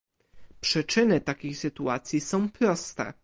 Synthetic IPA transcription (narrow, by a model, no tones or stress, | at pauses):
pʂɘt͡ʂɘnɘt̪akʲejsɘt̪uat̪sʲjisɔ̃w̃pɾɔst̪ɛ̰